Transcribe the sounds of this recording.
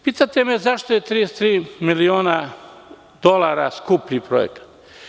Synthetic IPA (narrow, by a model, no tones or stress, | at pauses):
pit̪at̪emezaʃt̪ojet̪ɾiest̪ɾiːmilioːna | d̪̥olˠaɾa̰skupʎipɾojḛkḁt̪